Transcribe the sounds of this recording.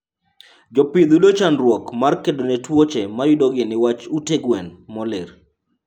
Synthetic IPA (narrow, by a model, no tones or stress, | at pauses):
d͡ʒɔpɪd̪ulot͡ʃanɾwɔkmarkedonɛtwot͡ʃɛmajʊdoɡɪnɪwat͡ʃuteɡwɛnmɔlɪr